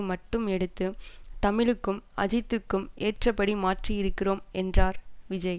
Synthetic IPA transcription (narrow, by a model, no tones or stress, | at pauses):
mɐʈːɯmɛɽɯt̪ːɯt̪ɐmɪɻɯkːɯmɐ̰d͡ʒɪt̪ːɯkːɯmʔeːʈrɐpːɐɽimaːʈriɪɾɯkːɪroːmɛndraːɾʋɪd͡ʒɐɪ